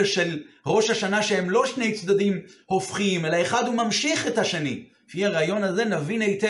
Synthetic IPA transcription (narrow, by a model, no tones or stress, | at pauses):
ʃe̞lʁo̞ʃhaʃanaʃehemlo̞ʃnejt͡sd̪adimho̞fχiime̞laeχad̪humamʃiχe̞thaʃeni | fiaʁaːjo̞naze̞navinejt̪e